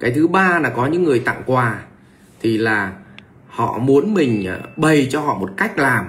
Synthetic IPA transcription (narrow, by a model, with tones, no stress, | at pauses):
kaː˨˦jt̪ʰɨ˨˦ɓaː˧laː˨˩kɔ˨˦ɲɨ̰˧˥ŋːɨ˨˩əjt̪a̰˧˨ŋkwaː˨˩ | t̪ʰi˨˩laː˨˩ | hɔ̰˧˨mu˨˦ənmï˨˩ŋ̟˨˩ɓə˨˩jt͡ɕɔ˧hɔ̰˧˨mo˨˩t̚ka˦˥jk̟̚laː˨˩m